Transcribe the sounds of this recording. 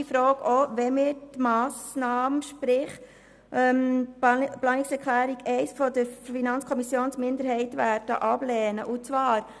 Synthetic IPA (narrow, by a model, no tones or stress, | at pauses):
ifɾɔːɡɔʋɛmɪɾtmɑːsnɑːmʃpɾɪχ | ʔɛm | plɑːniksɛɾkʰlæːɾiɡɛɪsfɔdəɾffinɑnt͡skʰɔmisjoːnsmɪnd̪əɾɦɛɪtʋæːɾd̥ə̰ʔɑb̥lɛːnə̰ʔut͡sʋɑːɾ